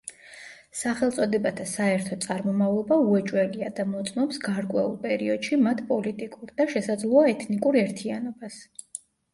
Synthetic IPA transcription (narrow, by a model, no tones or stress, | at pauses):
saχɛlˠt̪sʼɔd̪ɛbat̪ʰasaɛɾt̪ʰɔt̪sʼaɾmɔmavlˠɔbauɛt͡ʃʼwɛliad̪amɔt̪sʼmɔpsɡaɾkʼwɛ̰ṵlˠpʼɛɾiɔd̪̥ʃimat̪ʰpʼɔlit̪ʼikʼuɾd̪aʃɛsad̪zlˠɔaɛt̪ʰnikʼuɾɛɾt̪ʰianɔbas